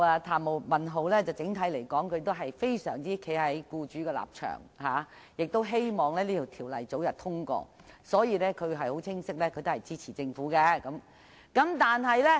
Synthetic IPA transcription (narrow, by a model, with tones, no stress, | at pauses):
a˧t̪ʰaː˨˩mo˨˩mɐ˨nɦo˨˧wlɛː˥t͡sɐ˨wt͡sɪ˨˥ŋt̪ʰɐ˨˥jle˨˩jkɔː˨˥ŋkʰɵ˨˧t̪̬o˥ɦɐ˨jfe˥jsœ̰ː˨˩ŋt͡siː˥kʰe˨˧˥ɦɐ˨˥jkuː˧t͡ʃyː˨˥kɛː˧la̰ː˨p̚t͡ʃʰœ̰ː˨˩ŋhaː˨˩ | jɪ˨k̚t̪o˥wɦe˥jmɔː˨˩ŋlɛː˥liː˥t̪ʰi˨˩wt̪ʰiː˨˩wlɐ̰˨˩jt͡so˨˥wjɐ˨t̪̚ʰʊ˥ŋkɔ̰ː˧ | sɔː˨˥jiː˨˧lɛː˥kʰɵ˨˧ɥɦɐ˨jho˨˥wt͡sʰɪ˥ŋsɪ˥k̚lɛː˥kʰɵ˨˧t̪o˥hɐ˨˩jt͡siː˥t͡sʰiː˨˩t͡sɪ˧ŋfuː˨˥kɛ˧kɐ˨˥m | kɐ˨˥mt̪aː˨nɦɐ˨jlɛː˥